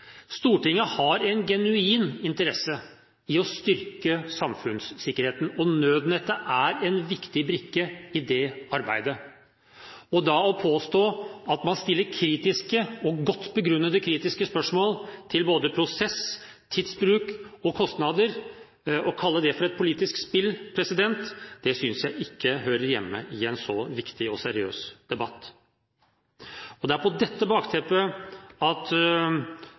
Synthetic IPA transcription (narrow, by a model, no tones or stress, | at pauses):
st̪uːʈɪŋːəhɑɾɛnɡɛnʉiːnɪnt̪əɾɛsə | ɪɔst̪ʏɾkəsɑmfʉnsːɪkːəɾheːt̪n̩ɔnøːd̪n̩ɛt̪ːəʔæɾɛnʋɪkt̪ɪbɾɪkːəɪd̪ɛɑɾbæ̰ɪd̪ə | ɔd̪ɑɔpʰoːst̪oːɑt̪mɑnst̪ɪlːəɾkʰɾiːt̪ɪskəɔɡɔt̪ːbəɡɾʉnːəd̪əkʰɾiːt̪ɪskəspœʂmoːlt̪ʰɪlboːd̪əpʰɾʊsɛs | t̪ʰid̪sbɾʉːkɔkʰɔst̪nɑd̪əɾ | ɔkʰɑlːəd̪ɛfɔɾɛt̪̚pʰʊliːt̪ɪskspɪlːpʰɾɛsɪd̪ɛnt̪d̪̥ɛsʏnsjæɪʔɪkːəɦøːɾəɾjɛ̰mːə̰ʔɪɛnsɔʋɪkt̪ɪɔsæɾɪø̰ːsd̪̥ɛbɑt̪ː | ɔd̪ɛæɾpʰɔd̪ɛt̪ːəbɑːkt̪ʰɛpəɑt̪